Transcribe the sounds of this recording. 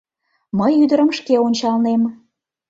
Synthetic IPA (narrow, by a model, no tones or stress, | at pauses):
məjyd̪əɾəmʃkeonʲt͡ɕɑlnem